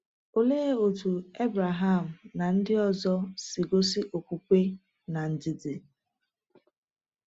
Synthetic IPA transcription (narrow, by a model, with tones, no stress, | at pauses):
o˨leː˦o˨tu˨e˦bɾa˨ɦa˦˨m̩˨na˨n̩˦dɪ˦ɔ˦˨zɔ˦si˨ɡo˦si˦ʔo˨kʷu˦kʷe˦ | na˨n̩˨d͡ʒɪ˨di˨